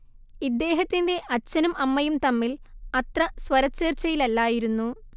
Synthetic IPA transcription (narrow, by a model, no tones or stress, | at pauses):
id̪ːe̞ːɦɐt̪ːinde̞ʔɐt͡ɕːɐnumʔɐmːɐjumt̪ɐmːilɐt̪rɐsʋɐɾɐt͡ɕːeːrt͡ɕːɐjilɐlːaːjiɾunːu